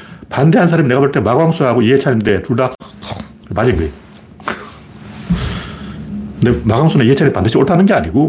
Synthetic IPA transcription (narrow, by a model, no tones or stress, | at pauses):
pande̞ɦansʰaɾamineɡapaɭt͈emaɡwaŋs͈ʰuɦaɡoiɦet͡ɕʰaɾimnde̞t͡ɕuɭda | mad͡ʑiŋɡɯe | kɯndemaɡwaŋs͈ʰuneiɦet͡ɕʰaɾimipand̪ɯɕʰioɭtʰanɯnɡe̞aɲiɡo